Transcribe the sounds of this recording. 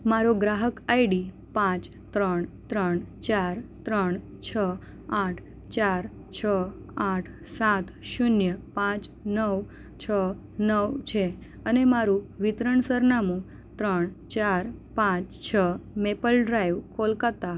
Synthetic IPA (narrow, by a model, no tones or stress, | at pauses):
maɾoɡɾaɦəkaiɖi | pãt͡ʃ | t̪ɾəɳt̪ɾəɳt͡ʃaɾt̪ɾəɳ | t͡ʃʰə | aʈʰ | t͡ʃaɾ | t͡ʃʰə | aʈʰsat̪ʃʊnjəpãt͡ʃnəʋ | t͡ʃʰə | nəʋt͡ʃʰe | ənemaɾũʋɪt̪ɾəɳsəɾnamũ | t̪ɾəɳt͡ʃaɾpãt͡ʃt͡ʃʰəmepəlɖɾajʋkolkat̪a